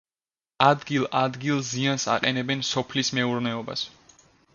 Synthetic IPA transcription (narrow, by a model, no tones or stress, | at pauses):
ad̪ɡilˠad̪ɡilˠziansa̰qʼɛnɛbɛnsɔpʰlismɛuɾnɛɔba̰s